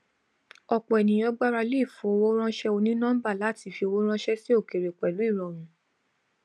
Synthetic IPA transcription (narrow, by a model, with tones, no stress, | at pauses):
ɔ˧k͡pɔ˨ɛ˨nĩ˨j̃ɔ̃˧˦ɡ͡ba˦ɾa˧le˦˨fo˨˦o˧wo˦ɾ̃ã˦ʃɛ˦o˧nĩ˦nã˦ba˦˨la˨˦ti˧˨fi˧o˧wo˦ɾ̃ã˦ʃɛ˦se˦o˦˨ke˨ɾe˨k͡pɛ˨lu˨˦i˦˨ɾɔ̃˨ɾ̃ũ˨˦